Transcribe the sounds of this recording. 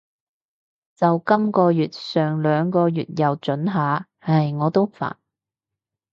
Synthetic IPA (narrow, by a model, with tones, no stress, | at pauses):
t͡sɐ˨wkɐ˥mkɔː˧jyː˨t̚sœː˨˩ŋlœː˨˧ŋkɔː˧jyː˨t̚jɐ˨wt͡ʃɵ˨˥nɦaː˨˧ | hɐ˨jŋɔː˨˧t̪o˥wfa̰ː˨˩n